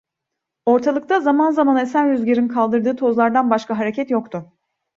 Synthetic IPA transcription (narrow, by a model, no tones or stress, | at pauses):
o̞ɾt̪ʰalˠɯkt̪ʰazamanzamanesænɾyzɟʲeɾinkʰalˠd̪ɯɾd̪ɯːt̪ʰo̞zlˠaɾd̪anbaʃkʰaɦaɾecʰɛt̪jo̞k̚t̪ʰʊ